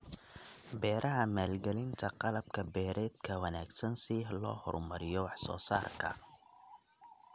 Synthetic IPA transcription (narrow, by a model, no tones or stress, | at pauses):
bɛːɾʔɐɦɐmaːlɡɛlɪnt̪ʰɐqɑlɐb̚kʰɐbɛːɾɛːd̪̚kʰɐwɐnaːɡsɐnsilɔ̰ːhɔ̰rmɐɾɪjɔwɑħsɔ̰ːsa̰ːrkʰɐ̰